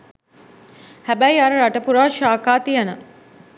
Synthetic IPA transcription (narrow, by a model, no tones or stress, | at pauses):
hæbæjaɾəɾaʈəpuɾaːʃaːkaːt̪ijənə